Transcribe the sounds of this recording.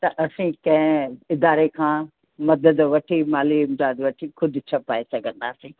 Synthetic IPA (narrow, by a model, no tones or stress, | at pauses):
t̪ɐʔɐsĩkɐ̃ɦɪ̃ɪd̪aːɾekʰãː | mɐd̪əd̪ʋɐʈʰimaːliɪmzaːd̪ʋɐʈʰikʰʊd̪ʱʊt͡ɕʰɐpaːesɐɡʱə̃nd̪aːsĩː